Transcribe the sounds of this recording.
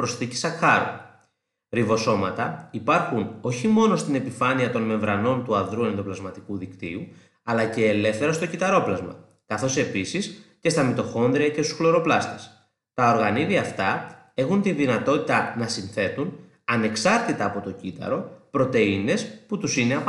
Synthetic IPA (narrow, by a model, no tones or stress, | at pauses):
pɾo̞sθici̥sɐxɐɾo̰ | ɾivo̞so̞mɐt̪ɐipɐɾxuno̞çimo̞no̞st̪ine̞pifɐniɐt̪o̞nme̞ɱvɾɐno̞nt̪uɐðɾuenenðo̞plɐzmɐt̪ikuðikt̪ḭu | ɐlɐce̞ːle̞fθe̞ɾɐst̪o̞cit̪ɐɾo̞plɐzmɐ̰ | kɐθo̞se̞pisisce̞st̪ɐmit̪o̞xo̞nðɾiɐce̞st̪u̥sxlo̞ɾo̞plɐst̪e̞̥s | t̪ɐo̞ɾɣɐniðiɐft̪ɐ | e̞xunt̪iðinɐt̪o̞t̪it̪ɐnɐsinθe̞t̪un | ɐne̞ksɐɾt̪it̪ɐːpo̞t̪ocit̪ɐ̰ɾo̞pɾo̞t̪e̞ine̞sput̪usine̞ɐ